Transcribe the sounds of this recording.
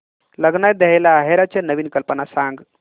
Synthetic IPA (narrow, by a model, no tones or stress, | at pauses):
ləɡnajd̪eɦelaɦeɾat͡ʃʰenəʋinkəlpənasãːŋɡ